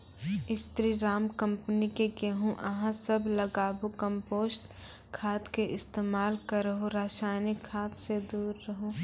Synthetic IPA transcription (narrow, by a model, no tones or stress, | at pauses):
ɪst̪ɾiɾaːmkɐ̃mpənikeɡeɦũʔɐɦãsɐblɐɡaːbukə̃mpoːsʈ | kʰaːt̪keʔɪst̪eːmaːlkɐɾəɦõɾaːʃaːnɪkʰːaːt̪sed̪uːɾːɐɦõ